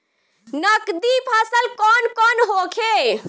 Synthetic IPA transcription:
nəkd̪ipʰaːsəlkɔnkɔnɦokʰe

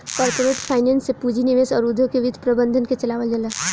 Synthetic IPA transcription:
kəɾt̪oɾeʈpʰaɪnensːepud͡ʒʱiniʋesɔːɾud̪ʱjokeʋid̪ʱpɾəbənd̪ʱənket͡ʃəlaʋəld̪elə

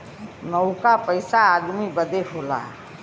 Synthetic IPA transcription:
nəʊkapəɪsaːd̪mibəd̪ekʰoːla̰

